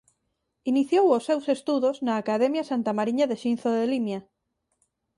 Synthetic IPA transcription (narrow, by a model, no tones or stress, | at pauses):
iniθjowosːewsest̪uðoznɐːkaðɛmjasant̪amaɾiɲaðeʃin̟θoðelimja